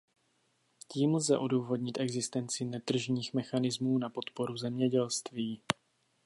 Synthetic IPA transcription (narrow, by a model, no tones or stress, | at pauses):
ciːml̩zɛʔoduːvo̞dɲɪt̪ʔɛɡzɪst̪ɛnt͡sɪnɛt̪r̩ʒɲiːxmɛxanɪzmuːnapo̞t̪po̞ɾuzɛmɲɛɟɛlst̪viː